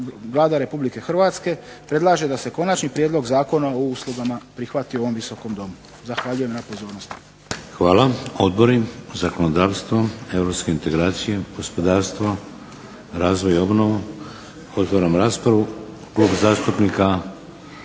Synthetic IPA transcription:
ʋlˠaːd̪aɾe̞publike̞xrʋaːt̪ske̞pɾe̞d̪lˠaːʒe̞d̪ase̞ko̞nat͡ʃnipɾjed̪lo̞ɡzaːko̞naouslˠuɡamapɾixʋat̪io̞ʋo̞mʋiso̞ko̞md̪o̞mu | zaxʋaʎuje̞mnapo̞zo̞ːɾnost̪ | xʋaːlao̞d̪bo̞ɾizakonod̪aːʋst̪ʋoe̞vɾopske̞int̪e̞ɡɾaːt̪sije̞ɡ̥o̞spo̞d̪aːɾst̪ʋo | ɾaːzʋo̞jo̞bnoʋu | ot̪ʋaːɾamɾaːspɾaʋu | klˠuːpzaːst̪upnika

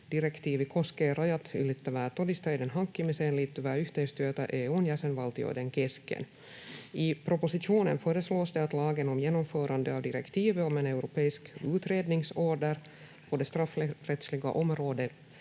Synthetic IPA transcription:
d̪̥ɪɾɛkt̪ʰiːvɪkʰɔskeɾajɑt̪ʏ̰lɪt̪ːəʋæːt̪ɔd̪ɪst̪ɑd̪ənɦɑŋkːɪmɪseːnlɪːt̪ʰːɵʋæːɾʏft̪ɛst̪øːt̪ɑʔeːunjæːsɛnʋɑlt̪ɪo̰d̪ɛnkʰɛskə̰n | ɪpʰɾɔpʊsɪʂuːnənfœːɾəsloːsd̪ɛɑt̪lɑːɡənɔmjeːnɔmfœːɾand̪əɑvd̪ɪɾɛ̰kt̪ʰiːvəɔmɛnɛʉɾʊpʰeːɪskʉ̟ːt̪ɾeːd̪nɪŋsoːɖəɾ | pʰɔd̪ɛst̪ɾafːɾɛt̪slɪɡa̰ʔɔmɾoːd̪ə

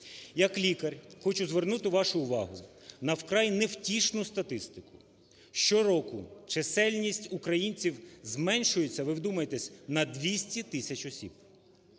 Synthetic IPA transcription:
jɐklʲikɐrʲxɔt͡ʃʊzʋernut̪ɪʋɑʃʊːʋɑɦʊ | nɐwkɾɑjnewtʲiʃnʊst̪ɐt̪ɪst̪ɪkʊ̥ | ʃt͡ʃɔɾɔkʊt͡ʃesɛlʲnʲisʲtʲʊkɾɐjinʲt͡sʲiwzmɛnʃʊjet͡sʲːɐʋɪwd̪umɐjet̪ɛsʲnɐd̪ʋʲisʲtʲit̪ɪsʲɐt͡ʃɔsʲib̥̚

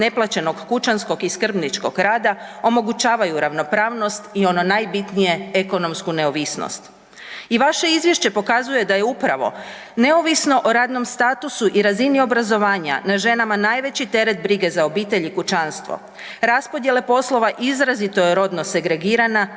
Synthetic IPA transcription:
ne̞plat͡ɕe̞no̞ɡːut͡ʃansko̞ɡiskr̩bnit͡ʃko̞̰ɡɾaːd̪ao̞mo̞ɡut͡ʃaːʋajuɾaʋno̞pɾaːʋno̞st̪io̞no̞najbit̪nije̞eko̞no̞mskune̞oʋisno̰st̪ | iʋaʃe̞izʋje̞ʃt͡ɕe̞po̞kazuje̞d̪aje̞upɾaʋo̞̰ | ne̞oʋisno̞ʔoɾaːd̪no̞mst̪aːt̪usuʔiɾazinio̞bɾazo̞ʋaːɲa̰naʒe̞namanaːjʋe̞t͡ɕit̪e̞ɾe̞t̪̚bɾiɡe̞zao̞biːt̪e̞ʎikut͡ʃanst̪ʋo̰ | ɾaspo̞d̪je̞le̞po̞slˠo̞ʋaʔizɾazit̪o̞jeɾo̞d̪no̞se̞ɡɾe̞ɡiːɾana

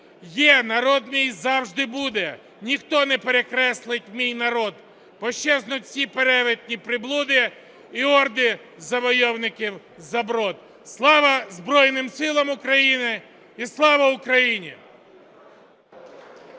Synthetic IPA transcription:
jɛnɐɾɔd̪mʲijzɑwʒd̪ɪbud̪ɛ | nʲixt̪ɔnɛpeɾekɾɛslˠɪtʲmʲijnɐɾɔd̪ | pɔʃt͡ʃːɛznʊtʲsʲipeɾɛʋɪt̪̚ʲnʲipɾɪblˠud̪ɪ | iɔrd̪ɪ | zɐʋɔjɔwnɪkʲiw | zɐbɾɔd̪̚ | slˠɑʋɐzbɾɔjnɪmsɪlˠɐmʊkɾɐjinɪ | islˠɑʋɐʊkɾɐjinʲi

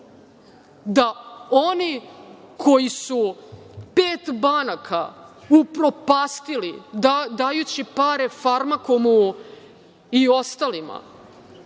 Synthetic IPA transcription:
d̪aonikʰo̞jisupeːt̪banakʰaupɾo̞paːst̪ilid̪aːjut͡ɕipaɾefaɾmakomu | io̞st̪alima̰

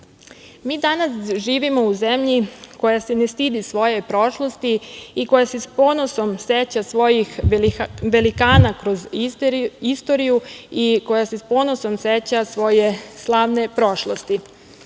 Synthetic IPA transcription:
miːd̪anasʒiːʋimo̞uze̞mʎiko̞jasene̞st̪id̪isʋo̞je̞pɾo̞ʃlˠo̞st̪iiko̞jasespo̞ːnoso̞mset͡ɕasʋo̞jix | ʋe̞likaːnakɾo̞ziist̪o̞ɾijuiko̞jasespo̞ːno̞so̞mset͡ɕasʋo̞jeslˠaːʋne̞pɾo̞ʃlˠost̪i

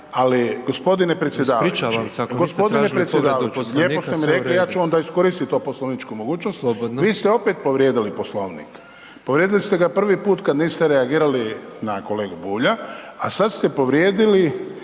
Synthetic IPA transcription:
aliɡospo̞d̪inepɾesjed̪aːɾiaɡospo̞d̪inepɾet̪sjed̪aːʋat͡ʃlʎeːposemiɾe̞klijaːt͡ʃuond̪aisko̞ɾist̪it̪ːoposloʋnit͡ʃkumoɡuːt͡ʃnostb̪ʋiːst̪eo̞pet̪̚po̞ʋɾjed̪iliposlo̞ʋnḭk | poʋɾjed̪ilist̪eɡapr̩ʋipuːt̪kad̪niːst̪eɾeaɡiːɾalinako̞le̞ːɡubuːʎaasad̪st̪epo̞ʋɾjeːd̪ili

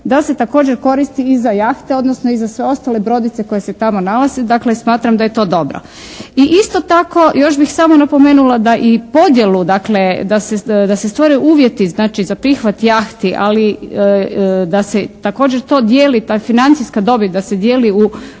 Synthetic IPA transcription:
d̪ase̞t̪ako̞ːd͡ʑeɾko̞ɾist̪iizajaːxt̪eo̞d̪nosnoizasʋe̞o̞st̪ale̞bɾo̞d̪it̪se̞ko̞jeset̪amo̞nalazed̪aklesmaːt̪ɾamd̪aje̞t̪o̞ːd̪o̞bɾo̰ | iʔist̪o̞t̪ako̞jo̞ʃbixsaːmonapo̞me̞ːnulad̪aʔipo̞d̪jelud̪akled̪ased̪asest̪ʋoɾeʔuːʋje̞t̪iznaːt͡ʃizapɾixʋat̪jaːxt̪iʔa̰li | d̪aset̪ako̞ːd͡ʑeɾt̪o̞ːd̪jeːlit̪aːfinant̪sijskad̪o̞bit̪d̪ased̪jeːliu

